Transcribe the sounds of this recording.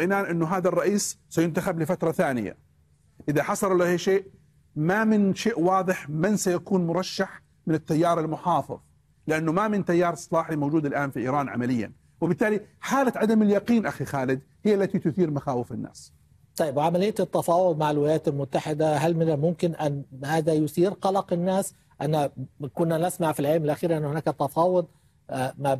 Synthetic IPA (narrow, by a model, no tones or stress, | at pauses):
ʔɪnaːnʔɪnːʊɦaːðarˤːɑʔiːssajʊnt̪axablɪfat̪ɾˤɑθaːnɪ̰ja̰ | ʔɪðaħɑsˤɑllaheːʃeːʔ | mamɪnʃeːʔwɑːðˤɨħmɪnsajakuːnmʊɾˤɑʃːaħ | mɪnɪt̪ːajːɑːɾˤɪlmʊħɑːfɪ̰ðˤ | lɪʔanːʊmamɪnt̪ajːɑːɾˤsˤːɑlɑːħimowd͡ʒuːd̪ɪlʔaːnfiʔiːɾˤɑːnʕa̰malɪjːa̰n | wɪbɪt̪ːaːliħaːlaʕad̪amɪljɑqiːnʔaxixaːlɪd̪ | hɪjːalːat̪it̪ʊθiːɾmaxaːwɪfɪnːa̰ːs | t̪ˤɑjːɪbwʕamalɪjːat̪t̪ːɑfɑːwʊd̪ˤmaʕɪlwɪlajaːt̪almʊt̪ːaħɪd̪aɦalmɪnamʊmkɪnʔanhaːðajʊθiːɾqɑlɑqɪnːaːs | ʔanːakʊnːanasmaʕfilʕelmɪlʔaxiːɾʔanːʊhʊnaːkat̪ɑfɑːwʊd̪̚ˤ | ma